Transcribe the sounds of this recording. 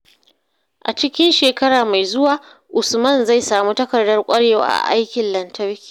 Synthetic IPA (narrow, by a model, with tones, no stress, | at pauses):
ʔa̰˨t͡ʃɪ˦kʲɪ˦nʃeː˨kɐ˦ɽaː˨ma˨jzʊ˦waː˨ | ʔʊ˨smɐ˦˨nza˦˨jsaː˨muː˦tɐ˦kɐ˨rdɐ˦rkʷʼɐ˦ɽeː˨wa̰ː˨ʔa̰˨ʔa̰˦jkʲɪ˨nlɐ˨ntʰɐ˦ɽkʲi̥ː˨